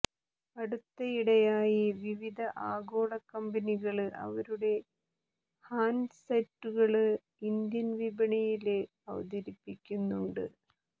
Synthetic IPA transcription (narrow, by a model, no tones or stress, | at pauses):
ɐɽut̪ːɐiɽɐjaːjiʋiʋid̪ʱɐʔaːɡo̞ːɭɐkːɐmbɐniɣɐɭɨʔɐ̰ʋɐɾuɽe̞ | haːnsɐtːuɣɐɭɨ | ind̪jɐnʋibɐɳɐjile | ɐ̰ʋɐ̰d̪ɐɾipːikʲːunːuɳɖɨ̰